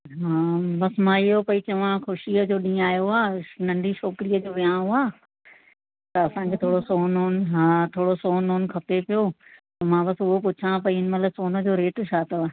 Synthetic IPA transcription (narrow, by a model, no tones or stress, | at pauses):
ɦãːbɐsmãːɪɦopɐit͡ɕɐʋ̤ãxʊʃiəd͡ʑoːɗĩːaːjoaːnɐ̃ɳɖiʃɔːkɪɾijəd͡ʑoːʋijãːɦoaː | t̪ɐɐsãːkʰeːt̪ʰoːɽosoːnɦoːnɪ̆ɦaːt̪ʰoːɽosoːnɦoːnɪ̆kʰɐpepijot̪ɐmãːbɐsʊɦopʊt͡ɕʰãpɐiɪnɪ̆mɐt̪ləbsoːnə̆d͡ʑoːɾeːʈt͡ɕʰaːt̪oː